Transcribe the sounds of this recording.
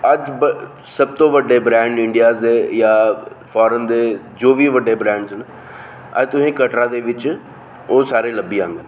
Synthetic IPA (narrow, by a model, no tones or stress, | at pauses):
əd͡ʒb | səb̚t̪õːʋəɖeːbɾɛ̃ːɳɖɪ̃ɳɖijaːzeːjaː | fʰɔːɾənd̪eː | d͡ʒoːʋiːʋəɖːeːbɾɛ̃ːɳɖzən | ə̰d͡ʒt̪ʊsĩːkəʈɾãːd̪eːʋɪt͡ʃ | oːsaːɾeːləbːiːãːŋɡ̪ə